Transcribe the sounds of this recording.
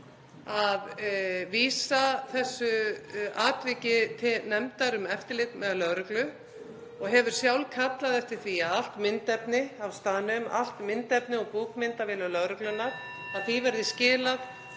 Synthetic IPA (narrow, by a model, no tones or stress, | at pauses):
aðviːsaθɛsːʏaːt̪vɪːcɪt̪ʰɪnɛmt̪aɾʏmɛft̪ɪɾlɪt̪mɛðalœɣɾʏklʏ | ɔɣɦɛvʏɾ̥sjawlkʰat̪laðɛft̪ɪɾ̥θviaðal̥t̪mɪnt̪ɛpnɪawst̪aːnʏma̰l̥t̪mɪnt̪ɛpnɪɔɣpuːkmɪnt̪avɪlʏlœɣɾʏklʏnaɾ̥ | aðθivɛɾðɪscɪːlað